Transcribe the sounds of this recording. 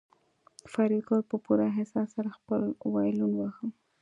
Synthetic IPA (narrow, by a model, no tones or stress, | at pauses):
faɾid̪koɾpəpuɾaɦɪsɑsaɾaxpəlwɑjlunwaxəm